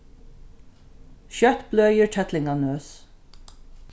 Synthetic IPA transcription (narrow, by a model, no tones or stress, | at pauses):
ʃœt̪blœʏjəɹʈʰɛt̪lɪŋɑnøːs